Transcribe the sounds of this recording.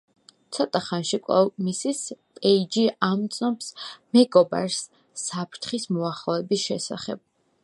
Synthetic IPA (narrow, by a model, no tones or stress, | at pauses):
t̪sʰɔt̪ʼaχanʃikʼwlɛ̰misispʼɛid͡ʒiamt̪sʼnɔpsmɛɡɔba̰ɾsː | apʰɾt̪ʰχismɔaχlˠɔɛbisʃɛsa̰χɛ̰b̥̚